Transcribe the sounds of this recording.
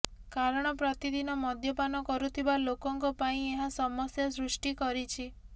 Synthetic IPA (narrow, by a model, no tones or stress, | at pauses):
kaɾɔɽ̃ɔpɾɔt̪id̪inɔmɔd̪ʱjɔpanɔkɔɾut̪ʰibalokɔŋkɔpaĩeɦasɔmɔsjasɾusʈikɔɾit͡ʃʰi